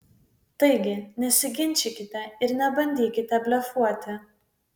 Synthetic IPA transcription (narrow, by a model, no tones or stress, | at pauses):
t̪ɐɪɡʲɪnʲɛsʲɪɡʲɪnʲˑt͡ʃʲɪkʲɪt̪ʲɛɪɾnʲɛbɐnʲd̪ʲiːkʲɪt̪ʲɛbʲlʲɛfuɔt̪ʲɪ